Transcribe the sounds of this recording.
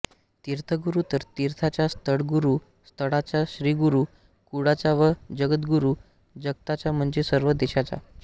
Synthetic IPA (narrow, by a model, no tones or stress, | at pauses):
t̪iɾt̪ʰəɡuɾut̪əɾt̪iɾt̪ʰat͡ɕast̪ʰəɽɡuɾuː | st̪ʰəɽat͡ɕaɕɾiːɡuɾuː | kuɽat͡ɕaʋəd͡ʑəɡət̪ɡuɾuː | d͡ʑəɡt̪at͡ɕam̤əɳd͡zesəɾʋəd̪eɕat͡ɕa̰